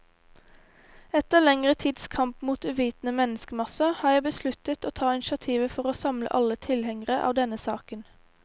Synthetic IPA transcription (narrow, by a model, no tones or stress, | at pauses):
ɛt̪əʁlɛŋʁət̪ʰiːd̪skʰɑmpmuːt̪ʉːʋiːt̪nəmɛnəskəmɑsəhɑːjæɪbəslʉt̪ət̪oːt̪ʰɑːɪnɪʃɑt̪ʰiːʋəfɔʁoːsɑmlə̰ʔɑlət̪ʰɪlhɛŋəʁəʔɑ̰ːʋd̪ɛnəsɑ̰ːkən